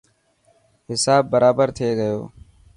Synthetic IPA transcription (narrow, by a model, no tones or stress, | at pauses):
ɦɪsaːbːəɾaːbəɾt̪ʰeːɡəjo̰ː